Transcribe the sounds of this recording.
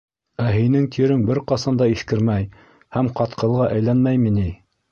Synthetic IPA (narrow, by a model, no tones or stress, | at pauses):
æɦinɘŋt̪ʰiɾɘŋbɘɾqɑsɑnd̪ɑiθkɘ̆ɾmæj | hæmqɑt̪qʰɤ̆lˠʁɑʔæjlænmæjmini